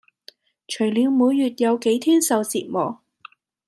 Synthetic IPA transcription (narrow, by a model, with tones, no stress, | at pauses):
t͡ʃʰɵ˨˩ɥliː˨˧wmuː˨˧˥jːyː˨t̚jɐ˨˧wke˨˥jt̪ʰiː˥nsɐ˨wt͡siː˨t̚mɔː˨˩